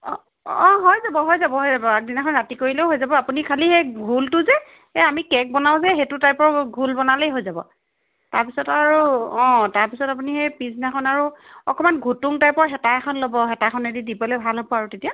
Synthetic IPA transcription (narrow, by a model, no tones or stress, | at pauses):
ɔ | ɔ̃ɦojzabɔɦojzabɔɦojzabɔak̚dinakʰɔnɹatikoɹilɛʊɦojzabɔapunikʰalixejɡʱultʊzɛ | ɛamikɛk̚bɔnaʊ̃zɛɦetʊtajpɔɹɡʱulbɔnalejɦojzabɔ̰ | taɹpisɔtaɹuɔ̃taɹpisɔtap̬unixejpiznakʰɔnaɹuɔkɔmanɡʱutuŋtajpɔɹɦɛtakʰɔnlɔbɔɦɛtakʰɔnedidibɔlebʱalɦɔbɔaɹutetija